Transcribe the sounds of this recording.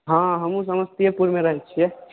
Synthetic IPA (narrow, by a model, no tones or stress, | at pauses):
ɦãɦəmũs̬əməst̪ijepuɾmeɾəɦɛt̪̚t͡ʃʰijɛ